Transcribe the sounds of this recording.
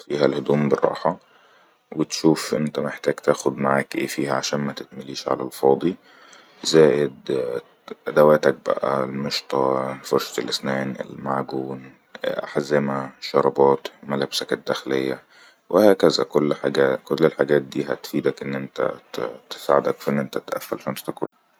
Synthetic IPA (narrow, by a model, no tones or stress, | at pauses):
fiːɦælhod̪uːmberˤːɑ̰ːħɑ | wet̪ʃuːfʔḛnt̪æmeħt̪æːɡt̪æːxod̪maʕaːkʔḛːfiːhæʕaʃæːnmæt̪et̪̚mæliːʃʕa̰læ̰lfɑːd̪ˤi | zæːʔed̪ | ʔæd̪æwæːt̪æk̚bæ̰ʔæ̰lmeʃt̪ˤɑlfoɾʃɑ̥t̪elʔesnæːnḛlmaʕɡuːn | ʔa̰ħzemæʃɑɾˤɑbɑːt̪mælæbsæked̪ːæxlejːæ | wʔehæːkæzæ̰kolːħaɡæːkolːelħaɡæːt̪̚d̪iːɦæ̰t̪fiːd̪ækʔenːʔent̪æ̰t̪e̥saʕed̪ækfiʔenːʔent̪æt̪ʔæ̰fːælʃænst̪ɑkɾ̰